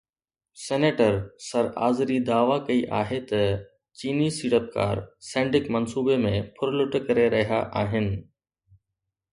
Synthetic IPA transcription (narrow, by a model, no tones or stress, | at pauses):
seːneːʈəɾsɐɾa̰ːzɾid̪aːʋakɐiʔa̰ːɦet̪ɐ | t͡ɕiːnisiːɽəp̚ka̰ːɾsɛ̃ːɳɖɪkmɐnsuːbemẽpʰʊɾlʊʈkɐɾeɾɐɦijaʔaːɦɪnɪ̆